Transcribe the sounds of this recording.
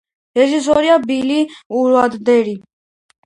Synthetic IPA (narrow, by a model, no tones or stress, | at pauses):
ɾɛʒis̬ɔɾiabiliuɾad̪d̪ɛɾi